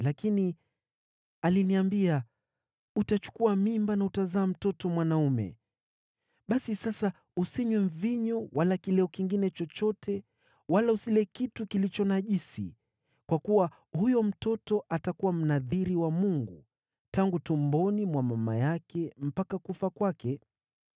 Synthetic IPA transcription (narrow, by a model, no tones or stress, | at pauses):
lakini | aliniambia | utat͡ʃu̥kuamimbanautazaːm̩tɔtɔmwanaumɛ̰ | ɓasisasa | usiɲwɛɱ̩viɲɔwalakilɛɔkiŋɡinɛt͡ʃɔt͡ʃɔtʰɛ | walausilɛkitukilit͡ʃɔnaʄisḭ | kwakuwa | hujɔm̩tɔtɔʔatakuwam̩naðiɾiwamuŋɡu | taŋɡutumbɔnimwamama̰jakʰɛm̩pakakufakwakɛ